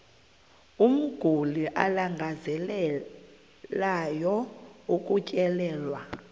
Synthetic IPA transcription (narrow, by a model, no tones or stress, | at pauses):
um̩ɡ̥ʱuliʔa̰laŋɡʱazɛl | lajɔukʼucʼɛlɛːlwa